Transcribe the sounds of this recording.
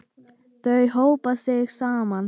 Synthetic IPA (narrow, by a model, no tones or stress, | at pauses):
θœɥɦowpaseːksaːman